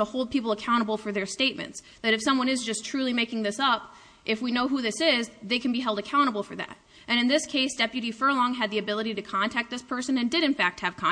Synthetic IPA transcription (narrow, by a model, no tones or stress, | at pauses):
əhoʊlˠd̚pʰipl̩ˠəkʰãʊ̃ɾ̃əbl̩ˠfə˞ðə˞steɪt̚mɨ̰̃nts | ðɨɾɨfsʌ̃mwʌ̃ñɨzd͡ʒʌstʰɹ̥ʉlˠimeɪkɪ̃ŋðɪsʌp | ʔɨfwinoʊɦuðɪsɪzðeɪkʰɨ̃n̩biɦɛlˠdɨkʰãʊ̃ɾ̃əbl̩ˠfə˞ðæ̰ɾ | ʔɨ̃ɾ̃ɨ̃nðɪskʰeɪsd̥ɛpjɨɾifə˞lɔ̃ŋɨd̪̚ðiɨbɪlˠəɾiɾɨkʰɑ̃ntʰæk̚t̪̚ðɪspʰɜ˞sɨ̃nɨ̃ndɨɾɨ̃nfæk̚t̚hɨv̥kʰɑ̃